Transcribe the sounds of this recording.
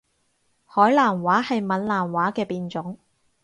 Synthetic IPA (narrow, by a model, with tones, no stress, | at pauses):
hɔː˨˥jlaː˨˩nwaː˨˥hɐ˨jmɐ˨˥nlaː˨˩nwaː˨˥kɛː˧piː˨nt͡sʊ˨˥ŋ